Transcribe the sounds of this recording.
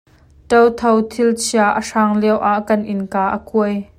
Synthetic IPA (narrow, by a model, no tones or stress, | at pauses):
tɐwt̪ʰowt̪ʰɪlt͡sʰiaʔəʂaːŋlɛwʔaʔkɐnʔɪnkaːʔəkuəj